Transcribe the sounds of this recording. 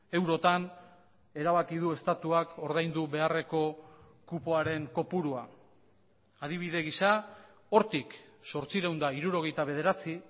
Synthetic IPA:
e̞wɾo̞t̪an | e̞ɾaβakið̞ue̞st̪at̪uako̞ɾð̞ajnd̪uβe̞are̞ko̞ | kupoaɾe̞ŋko̞puɾua | aðiβ̞iðe̞ɣ̞isa | o̞ɾt̪ikso̞ɾt͡siɾewnd̪aiɾuɾo̞ɣ̞ejt̪aβe̞ð̞e̞ɾat͡si

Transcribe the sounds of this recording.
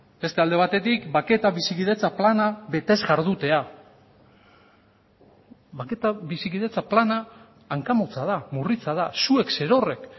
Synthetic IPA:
be̞st̪e̞ald̪e̞β̞at̪e̞t̪ikbake̞t̪aβisikið̞e̞t͡saplanaβe̞t̪e̞zɣaɾð̞ut̪e̞a | βake̞t̪aβisikiðe̞t͡saplanaː | ŋkamot͡sað̞amurit͡sað̞asuekse̞ɾo̞re̞k

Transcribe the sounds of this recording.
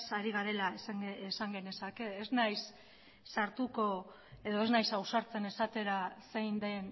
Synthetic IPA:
saɾiɣ̞aɾe̞laesesaŋɡe̞ne̞sake̞ːznajsː | aɾt̪uko̞ | e̞ð̞o̞e̞znajsawsaɾt͡se̞ne̞sat̪e̞ɾasejnd̪e̞n

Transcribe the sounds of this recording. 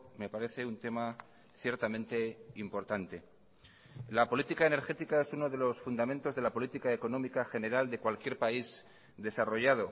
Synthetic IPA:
me̞paɾe̞θe̞unt̪e̞ma | θje̞ɾt̪amẽ̞nt̪e̞impo̞ɾt̪ant̪e̞ | lapo̞lit̪ikaene̞ɾxe̞t̪ikae̞suno̞ðe̞lo̞sfund̪amẽnt̪o̞zðe̞lapo̞lit̪ikaeko̞nõ̞mikaxe̞ne̞ɾald̪e̞kwalkje̞ɾpaiz | d̪e̞saro̞ʝað̞o̞

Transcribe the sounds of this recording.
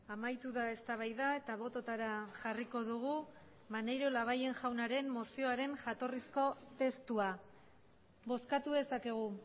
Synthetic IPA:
amajt̪uðae̞st̪aβ̞ajðae̞t̪aβ̞o̞t̪o̞t̪aɾaʝariko̞ðuɣ̞u | manejɾolaβ̞aje̞nʝawnaɾe̞mːo̞sio̞aɾe̞nʝat̪o̞risko̞t̪e̞st̪ua | βo̞skat̪uðe̞sake̞ɣ̞u

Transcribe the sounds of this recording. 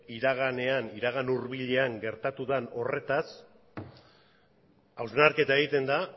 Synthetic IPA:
iɾaɣ̞ane̞aniɾaɣ̞anuɾβiʎe̞aŋɡe̞ɾt̪at̪uðano̞re̞t̪as | awznaɾke̞t̪ae̞ɣit̪e̞nd̪a

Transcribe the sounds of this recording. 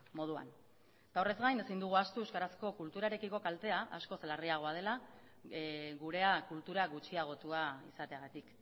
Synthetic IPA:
mo̞ð̞ua̰n | t̪aore̞zɣajne̞sind̪uɣ̞uast̪ueskaɾasko̞kult̪uɾaeɾe̞kiko̞kalt̪e̞aʔa̰sko̞selariaɣo̞að̞e̞la | ɣuɾe̞akult̪uɾaɣut͡ʃiaɣ̞o̞t̪uaḭsat̪e̞aɣ̞at̪ik

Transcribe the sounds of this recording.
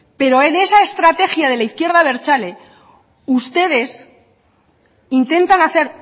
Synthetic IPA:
pe̞ɾo̞ene̞saest̪ɾat̪e̞xjað̞e̞laiθkje̞ɾðaβe̞ɾt͡ʃale̞ | ust̪e̞ð̞e̞s | int̪e̞nt̪anaθe̞ɾ

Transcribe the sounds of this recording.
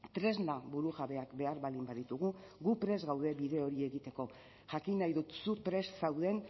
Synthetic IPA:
t̪ɾe̞znabuɾuɣaβe̞akbe̞aɾβalimbaðit̪uɣ̞uɣupɾe̞zɣawðe̞βiðe̞o̞ɾie̞ɣit̪e̞ko̞ | ʝakinajðut̪supɾe̞ssawðe̞n

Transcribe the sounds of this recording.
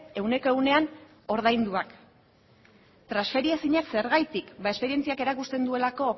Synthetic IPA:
e̞wne̞ko̞e̞ɣune̞an | o̞ɾðajnd̪uak | t̪ɾasfe̞ɾiasiɲakse̞ɾɣajt̪ikbae̞spe̞ɾie̞nt͡siake̞ɾakust̪e̞nd̪ue̞lako̞

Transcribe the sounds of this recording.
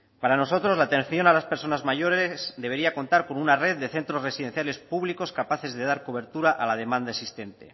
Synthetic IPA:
paɾano̞so̞t̪ɾo̞zlaːt̪e̞nθjo̞nalaspe̞ɾso̞nazmaʝo̞ɾesd̪e̞β̞e̞ɾiako̞nt̪aɾko̞nunareððːe̞θe̞nt̪ɾo̞zre̞siðe̞n̟θjale̞spuβliko̞skapaθe̞zðe̞ðaɾko̞β̞e̞ɾt̪uɾaʔalað̞e̞mãnd̪aesist̪e̞nt̪e̞̰

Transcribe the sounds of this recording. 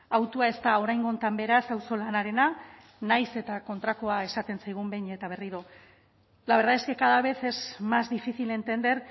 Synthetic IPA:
awt̪uae̞st̪ao̞ɾajŋɡo̞nt̪ambe̞ɾasawso̞lanaɾe̞na | najse̞t̪ako̞nt̪ɾakoae̞sat̪e̞nsajɣ̞umbejɲet̪aβ̞e̞riɾo̞ | laβeɾðaeske̞kaðaβ̞e̞θe̞zmazd̪ifiθile̞nt̪e̞nd̪e̞ɾ

